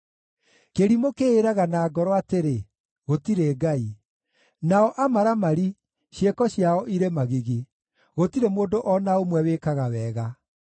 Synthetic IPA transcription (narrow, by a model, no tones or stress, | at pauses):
keɾimokeːɾaɣanaːɡɔɾɔateɾe | ɣotiɾeːɡai | naɔʔamaɾamaɾi | ɕjekɔɕjaɔʔiɾemaɣiɣe | ɣotiɾemoːndoʔɔnaomwɛwekaɣawɛːɣa